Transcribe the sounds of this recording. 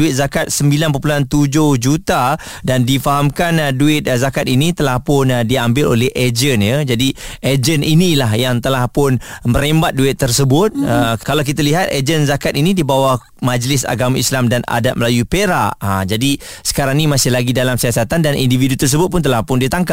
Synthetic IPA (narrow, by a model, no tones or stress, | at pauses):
uɪt̪̚zakat̪̚səmbilanp̬opulant̪ud͡ʒʊhd͡ʒut̪a | dandifaɦamkanduɪt̪̚zakat̪̚init̪əlahpʊndiambɪlo̰lɛhʔed͡ʒənjəd͡ʒadiʔed͡ʒəninilaɦjaŋt̪əlahpʊnməɾembat̪̚duɪt̪ːərsəbʊt̪̚əkalawkit̪aliɦat̪ed͡ʒənzakat̪inĩdibawa | mãd͡ʒlɪsa̰ɡamaislamdana̰dat̪̚məlajupeɾaʔad͡ʒadi | sə̥kaɾaŋnimasɪhlaɡidalamsiasat̪andanʔḭndividut̪ərs̬əbʊt̪̚pʊnt̪̬əlahpʊndiət̪aŋka